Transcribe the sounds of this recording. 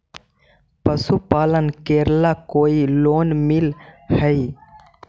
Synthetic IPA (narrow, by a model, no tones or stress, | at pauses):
pəsupaːlənkeːɾlakoːiloːnmilhəi